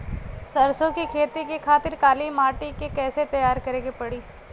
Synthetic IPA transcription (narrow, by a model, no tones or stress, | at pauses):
sɐɾsõkikʰeːt̪ikekʰaːt̪ɪɾkaːlimaːʈikekɛːset̪ɐjaːɾkɐɾẽːɡepɐɽiː